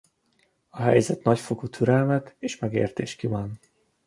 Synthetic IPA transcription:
ɒɦɛ̰jzɛt̪nɒcfokut̪ʰyɾɛlmɛt̪eːʃmɛɡḛːrt̪eːʃkivɒn

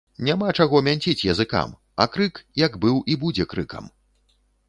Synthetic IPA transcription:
nʲamat͡ʂaɣɔmʲanʲt͡sʲit͡sʲjɐzɨka̰m | ɐ̰kɾɨkjɐɡbɨwʔibud͡zʲɛkɾɨkɐ̰m

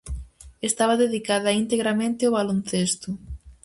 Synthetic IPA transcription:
est̪aβɐðeðikaðɐint̪eɣɾamẽnt̪ɪoβalon̟θest̪ʊ

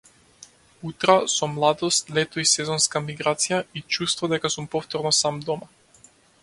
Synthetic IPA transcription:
ut̪ɾasɔmlˠad̪ɔst̪lɛt̪ɔisɛzɔnskamiɡɾat̪sijait͡ʃust̪vɔd̪ɛkasumpɔft̪ɔɾnɔsamd̪ɔma

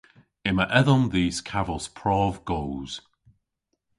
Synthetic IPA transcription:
ɪməʔɛðɔmðiːskʰavɔspʰɹ̥ɔːvɡ̥owz̥

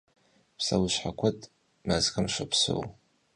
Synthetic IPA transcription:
pʰsa̰wɨʃʷħakʷʰatʼ | mazkamʃʷapʰso̰w

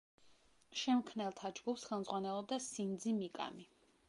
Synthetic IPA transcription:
ʃɛmkʰnɛlˠt̪ʰad͡ʒɡupsχɛlˠmd̪zʁwanɛlˠɔb̚d̪asind̪zimikʼa̰mi

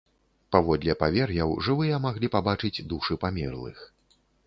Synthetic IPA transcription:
pavɔd̪lʲɛpavʲɛrjɐwʐɨvɨjɛmaɣlʲipabat͡ʂɨd͡zʲd̪uʂɨpamʲɛ̰rlˠɨ̰x

